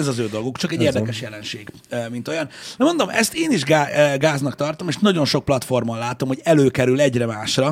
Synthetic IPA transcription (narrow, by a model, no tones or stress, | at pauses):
ɛzɒzøːd̪o̞lɡukt͡ʃɒkɛɟeːrd̪ɛkɛʃjɛlɛnʃeːɡ | mint̪o̞jɒnd̪ɛmo̞nd̪o̞mɛ̰st̪eːniʒɡaɡaːznɒkt̪ɒrt̪o̞meːʃnɒɟo̞nʃo̞k̚plɒt̪fo̞rmɒnlaːt̪o̞mho̞ɟɛløːkɛɾylɛɟrɛmaːʃrɒ